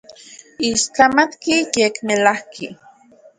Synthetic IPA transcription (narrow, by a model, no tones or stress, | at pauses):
iʃt͡ɬamat̪kijekmelahkʰi